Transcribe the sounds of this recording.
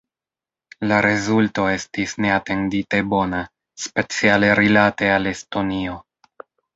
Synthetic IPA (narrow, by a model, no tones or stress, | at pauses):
laɾe̞zulto̞e̞stisne̞ate̞ndite̞bo̞na | spe̞t͡siale̞ɾilate̞ale̞sto̞nio̞